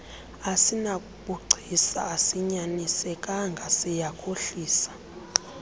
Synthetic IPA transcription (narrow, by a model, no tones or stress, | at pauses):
asina | kʼuɡ͡ǀʱisa̰ːsiɲanisɛkʼaŋɡʱasijakʰʼoɬiːsḁ